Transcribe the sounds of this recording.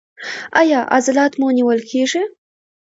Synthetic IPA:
ɑjɑʔa̰zalɑt̪muniwəlkʰeʐi

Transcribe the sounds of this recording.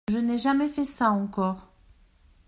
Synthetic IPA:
ʒənɛʒamɛfɛsaɑ̃kɔʁ

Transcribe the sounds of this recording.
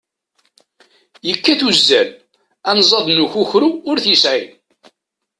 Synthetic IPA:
jəkːæθuzːæl | ænzˤɑðˤnuçʊçɾuʊɾθisʕin

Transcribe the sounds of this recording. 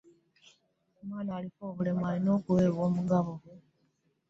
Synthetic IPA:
omwaːnaːlifoːβule̞mwaːlino̞ːkuweːβwoːmuɡaβo

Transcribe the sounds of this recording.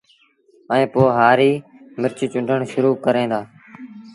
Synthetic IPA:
əẽːpoːɦaːɾiː | mɪɾt͡ʃt͡ʃʊ̃ɳɖʱəɳʃʊɾuːkəɾẽːd̪aː

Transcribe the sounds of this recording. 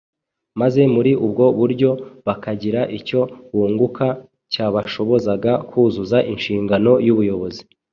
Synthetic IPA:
maze̞muɾiʔub̚ɡo̞βuɾɟo̞βakaɟiɾaʔico̞βuːŋɡukʰa | caːβaʃo̞βo̞zaɡakuːzuzaʔinʃiːŋɡano̞juβujo̞βo̞zi

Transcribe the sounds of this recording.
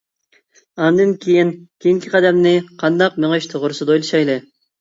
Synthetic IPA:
ɑnd̪ɨnkʲʰijinkʲʰejiŋkʲʰiqʰɑd̪ɛmnɪqʰɑnd̪ɑq̚møŋeʃt̪ʰoʁʊɾusud̪ojlˠuʃɑjlˠɨ

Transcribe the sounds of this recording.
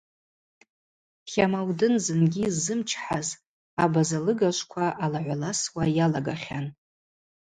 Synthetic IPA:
χʲamawdɨnzɨnɡʲizɨmt͡ʃʰħaz | abazalɨɡaʃʷkʷʰaʔalaʕʷalaswajalaɡaχʲan

